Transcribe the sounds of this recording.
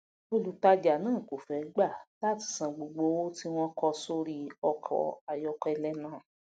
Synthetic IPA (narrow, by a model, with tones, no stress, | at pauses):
o˦˨lu˨˦ta˧d͡ʒa˨nãː˦˨ko˨fɛ˨˦ɡ͡ba˦˨la˦ti̥˧˨sã˧ɡ͡bo˨ɡ͡bo˧˦wo˦ti˦w̃ɔ̃˦kɔ˧so˧ɾi˧˦ɔ˧kʰɔ̰˨a˨jɔ˧˦kɛ˧lɛ˦nãː˦˨